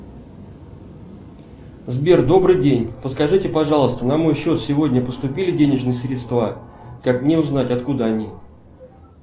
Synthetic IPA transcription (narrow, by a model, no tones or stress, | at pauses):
zbʲe̞rd̪o̞bɾɨjdʲenʲpət̪skɐʐɨtʲɪpɐʐɑlˠəst̪ənɐmo̞jɕːo̞t̪sʲɪvo̞dʲnʲəpəst̪ʊpʲilʲɪdʲenʲɪʐnɨjəsɾʲɪt̪st̪vakakmnʲeʊznatʲɐt̪kud̪əɐnʲi